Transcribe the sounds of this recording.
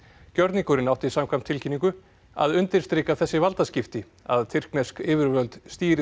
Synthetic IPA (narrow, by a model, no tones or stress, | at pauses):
cœɾt̪niŋkʏɾɪnawht̪ɪisaːmkʰvam̥t̪ʰɪlcʰiniŋkʏ | a̰ðʏnt̪ɪɾ̥st̪ɾeːkaθɛsːɪvalt̪ascɪft̪ɪ | a̰ðt̪ʰɪr̥knɛskɪːvɪɾvœlt̪st̪iːɾɪ